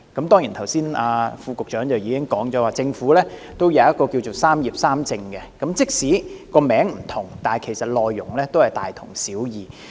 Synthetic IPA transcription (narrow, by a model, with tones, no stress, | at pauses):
kɐ˨˦mt̪ɔː˥ŋji˨˩nt̪ʰɐ˨˩wsiː˥naː˧fuː˧kʊ˨k̚t͡ʃœː˨˥ŋt͡sɐ˨wjiː˨˧kɪ˥ŋkɔː˨˥ŋt͡sɔː˨˥waː˨˩t͡sɪ˧ŋfuː˨˥lɛː˥ | t̪o˥wjɐ˨˧wjɐ˥t̚kɔː˧ki˧wt͡so˨wsaː˥mjiː˨˩p̚saː˥mt͡sɪ˧ŋkɛ˧kɐ˨˥mt͡sɪ˥k̚si˨˥kɔː˧mɛː˨˥ŋm̩˨˩t̪ʰʊ˨˩ŋt̪aː˨kʰe˨˩jsɐ˨˩t̚lɔː˨jːʊ˨˩ŋlɛː˥t̪o˥whɐ˨jt̪aː˨jt̪ʰʊ˨˩ŋsiː˨˥wjiː˨